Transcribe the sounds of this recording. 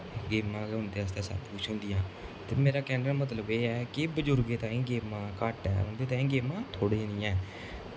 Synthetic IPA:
ɡeːmãːɦʊ̃nd̪eːəst̪ãːsa̰t̪kʊt͡ʃɦʊ̃nd̪ɪjãːt̪ḛːmeːɾaːkɛːɳɖəɾmət̪ləbeːɛːkɪbəd͡ʒʊɾɡeːt̪ãːĩːɡeːmãːkaːʈɛ̰ːʊ̃nd̪eːt̪ãːĩːɡeːmãːt̪ʰoːɽeːniːɛ̃ː

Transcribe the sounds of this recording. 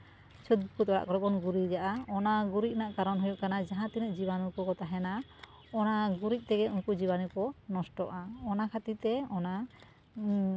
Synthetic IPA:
t͡ʃʰud̪̚bkut̪ɔɾa̰ʔkɔɾɔbɔnɡuɾid͡ʒaʔaɔnaɡuɾic̚naʔkaɾɔnɦujɔʔkanad͡ʒaɦãt̪inəʔd͡ʒiβanukɔkɔt̪aɦɛna | ɔnaɡuɾic̚ˀt̪ɛɡɛunkud͡ʒibanukɔnɔsʈɔ̰ʔaɔnakʰat̪it̪ɛɔna

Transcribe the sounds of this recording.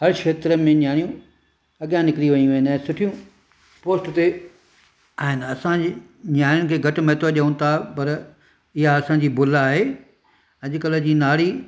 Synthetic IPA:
ɦɐɾkʰeːt̪ɾəmẽɲjaːɽijũ | ɐɠjãnɪkɪɾiʋɐ̃ɲũʋːɦɪnɛ̃ːsʊʈʰijũ | poːsʈt̪e | aːɦɪnɪ̆ɐsã | ɲaːj̃ʊnɪ̆kʰeːɡʱɐʈ̆mɛːt̪oʄɐũn̆t̪ʰapɐɾ | ɪɦaɐsãɲd͡ʑiːbʊlaːɦeː | ɐʄʊkələd͡ʑiːnaːɽ̤i

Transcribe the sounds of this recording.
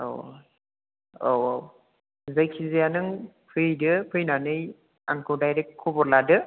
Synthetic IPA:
o̰w̰ | o̰waw | zajkʰizijanɯŋ | pʰɯjdɯpʰɯjnanɯj | a̰ŋkowdajɾek̚kʰːubɔɾladɯ

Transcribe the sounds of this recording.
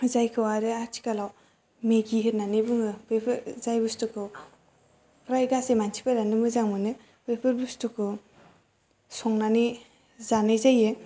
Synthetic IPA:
zajkʰɯwaɾɯaɾtʰi̥kalaw | meɡiɦɯtnanɯbuŋɯbepʰɯɾzajbustɯkʰɯw | pʰɾajɡasemansʰi̥pʰaɾanɯmɯzaŋmɯnɯ | bepʰɯɾbustɯkʰɯ | sɔŋnani | zanɯjzajɯ

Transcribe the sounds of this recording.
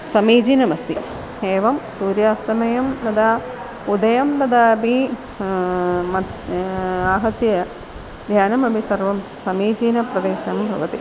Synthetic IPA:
sɐmiːd͡ʒiːnɐmɐst̪i | eːʋɐmsuːɾjaːst̪ɐmɐjɐmt̪ɐd̪aː | pud̪ɐjɐmt̪ɐd̪aːbi | mɐ | aːɦɐt̪jɐ | d̪ʱjaːnɐmɐbʱisɐrʋɐmsɐmiːd͡ʒiːnɐprɐd̪eːʃɐmbʱɐ̰ʋɐt̪i

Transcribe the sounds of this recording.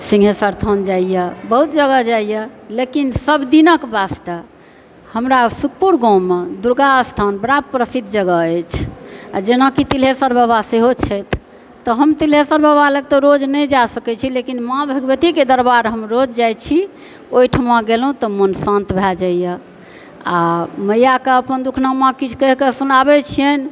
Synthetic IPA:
sĩŋɡʱesəɾt̪ʰənd͡ʒaijəbəɦut̪̚d͡ʒəɡəd͡ʒaijəlekinsəbd̪inəkbast̪a | həmɾasuk̚puɾɡɔ̃med̪uɾɡaəst̪ʰanbəɾab̚pɾəsid̪ʱd͡ʒəɡəəjt͡ʃʰad͡ʒenakit̪ilɦesəɾbəbaseɦot͡ʃʰɛt̪ʰː | ɔɦəmt̪ilɦesəɾbʱəbalək̚t̪ɔɾod͡ʒnəjd͡ʒasəkɛt͡ʃʰilekinmãbʱəɡbət̪iked̪əɾbaɾɦəmɾod͡ʒd͡ʒajt͡ʃʰi | oiʈʰəmãɡelɦũt̪ɔmənsãnt̪bʱɛld͡ʒajjə | aməjakeəpənd̪ukʰnamãkit͡ʃʰkəɦkesunabɛt͡ʃʰijən

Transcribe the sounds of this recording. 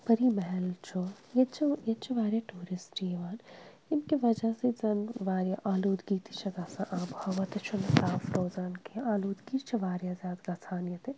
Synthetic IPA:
pɐɾimɐɦɛlt͡ʃʰo | jet͡ʃʰɐjet͡ʃʰɐʋaːɾjɐʈuːɾɪsʈieʋaːn | ɪnkiʋɐd͡ʒasezɐnʋaːɾjaʔaːluːd̪ɡiːt̪i̥t͡ʃʰɐɡaːsãʔaːbhɐʋɐt̪ɐt͡ʃʰonesaːfɾoːzaːnkʰeaːluːd̪ɡiːt̪t͡ʃʰɐʋaːɾjazjaːd̪ɡaːsʰaːnjɐt̪e

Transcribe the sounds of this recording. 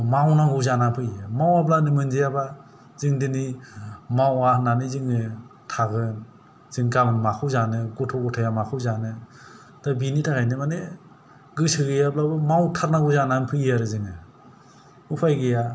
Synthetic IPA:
mawnaɡuzananpʰɯjamawap̬lanimɯnzejaba | zɯŋdɯnimawananiziŋɯ | tʰaɡɯn | z̥ɯŋɡamɯnmakʰɯwzanɯɡutʰɔɡɔtʰajamakʰɯwzanɯ | d̥abinitʰakʰajnɯmane | ɡɯsɯɡɯjap̚labɯmawtʰaɾnaɡuzananpʰɯjaɾɯzɯŋɯ | upʰajɡɯja

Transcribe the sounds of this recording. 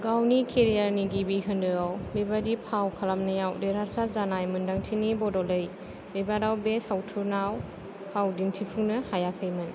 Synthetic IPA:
ɡawnikʰeɾijaɾniɡibiɦɯndɯawbebadipʰawkʰalamnɯjawdeɾaɾsazanajmɯndaŋtʰinibɔdɔlɯj | bebaɾawbeshawtʰunaw | hawdintʰipʰɯŋnɯhajakʰɯjmɯn

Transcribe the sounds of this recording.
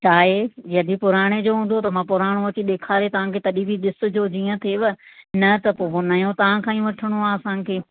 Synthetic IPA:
t͡ɕʰaːɦejɐd̪ipʊɾaːɽ̃ed͡ʑoːɦũːn̆d̪ot̪ɐmãpʊɾaːɽ̃oʋɐt͡ɕiɗ̪eːkʰaːɾet̪ɐʋ̤ãkʰeːt̪ɐɗibʱiɗ̪ɪsʊ̆d͡ʑoːd͡ʑiːə̃t̪ʰeːʋɐnɐt̪ɐpoːɦonaːjõt̪ɐʋ̤ãkʰãːĩʋɐʈʰəɽ̃oaːɐsãːkʰeː

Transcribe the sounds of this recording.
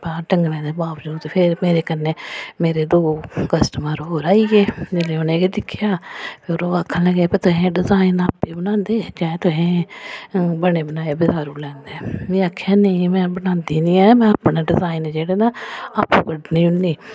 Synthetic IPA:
pãːʈəŋɡlɛ̃ːd̪ebaːʋd͡ʒuːt̪pʰɪɾmeːɾeːkənːeːmeːɾeːd̪oːkəsʈəmãːɾoɦoːɾaːiːɡeːd͡ʒelẽːonẽːked̪ɪkʰːɪjaːpʰɪɾoːɡəkʰːãlɛɡeːpeːt̪ʊɦẽːɖɪzaːinaːpːeːbənãːnd̪eːd͡ʒãːɛ̃t̪ʊɦẽː | bəɽeːbənaːeːbɪzaːɾũːlɛ̃ːnd̪eːmĩːaːkʰːjaːnəːmɛ̃ːbənãːnd̪iːnĩːɛːmɛ̃ːapɳãːɖɪzaːind͡ʒeːɽeːnaːaːpːuːkəɖnĩːʊniː

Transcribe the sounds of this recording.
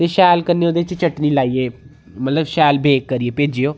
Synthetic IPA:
t̪eːʃɛːlkəneːoːd̪eːt͡ʃt͡ʃəʈniːlaːiːeː | mət̪ləbʃɛːlbʱeːkːəɾiːeːpeːd͡ʒiːoː

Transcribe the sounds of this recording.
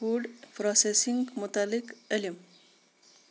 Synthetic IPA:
uɖpɾɔsesiŋɡmʊt̪alikəlim

